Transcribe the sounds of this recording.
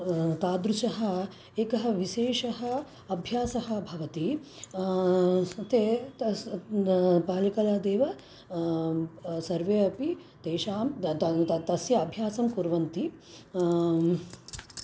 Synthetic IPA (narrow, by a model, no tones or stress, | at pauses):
t̪aːd̪ɾuʃɐɦɐ̆ | eːkɐɦɐ̆ʋiʃeːʂɐɦɐ | ɐbʱjaːsɐɦɐ̆bʱɐʋɐt̪i | t̪e | paːlikɐlaːd̪eːʋɐ | sɐɾʋeːɐpit̪eːʃaːm | t̪ɐsjɐːbʱjaːsɐmkuɾʋɐnt̪i